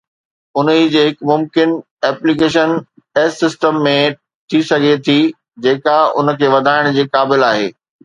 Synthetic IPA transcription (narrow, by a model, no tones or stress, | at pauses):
ʊnid͡ʑeːɦɪkmʊmkɪn | ɛːplik̬eːʃən | ɛːsːɪsʈəmːẽ | t̪ʰisɐɡʱet̪ʰi | d͡ʑeːkaʊ̰nə̆kʰeːʋɐd̪ʱaːɪɽ̃d͡ʑeːkaːbɪlaːɦḛː